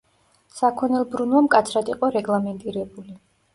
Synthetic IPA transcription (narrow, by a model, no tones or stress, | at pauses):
sakʰɔnɛlˠbɾunvamkʼat̪sʰɾad̪iqʼɔɾɛɡlˠamɛnt̪ʼiɾɛbuli